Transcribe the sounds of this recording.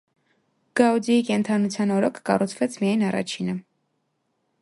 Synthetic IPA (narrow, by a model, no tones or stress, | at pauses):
ɡ̥ɑud͡ziikɛnt̪ʰɑnut͡sʰjɑnɔɾɔkʰːɑrut͡sʰvɛt͡sʰmijɑjnɑrɑ̰t͡ʃʰinə